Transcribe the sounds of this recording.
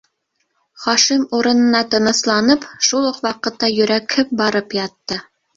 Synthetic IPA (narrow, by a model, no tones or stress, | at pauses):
χɑʃimuɾɤ̆nɤ̆nɑt̪ɤ̆nɤ̆slˠɑnɤpʃulˠoqwɑqɤ̆t̪ːɑjɵ̆ɾækʰɘp̚bɑɾɤpjɑt̪ːɤ